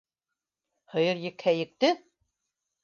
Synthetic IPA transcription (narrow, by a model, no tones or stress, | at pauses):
hɤ̆jɤ̆ɾjɘ̆khæjɘ̆k̚t̪ɘ